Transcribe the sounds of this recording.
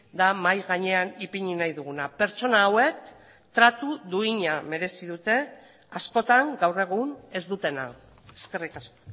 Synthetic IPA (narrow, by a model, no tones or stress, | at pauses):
d̪amajɣaɲe̞anipiɲinajðuɣ̞unape̞ɾt͡ʃo̞naːwe̞k̚ | t̪ɾat̪uðuiɲame̞ɾe̞sið̞ut̪e̞ | asko̞t̪aŋɡawre̞ɣ̞une̞zd̪ut̪e̞na̰ | eske̞rikasko̥